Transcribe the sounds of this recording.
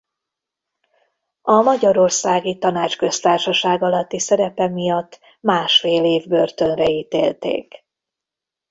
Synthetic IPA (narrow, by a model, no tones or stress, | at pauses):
ɒmɒɟɒɾo̞rsaːɡit̪ɒnaːt͡ʃkø̞st̪aːrʃɒʃaːɡɒlɒt̪ːisɛɾɛpɛmijɒt̪ː | maːʃfeːleːvbø̞rt̪ø̞nrɛiːt̪ḛːlt̪ḛːk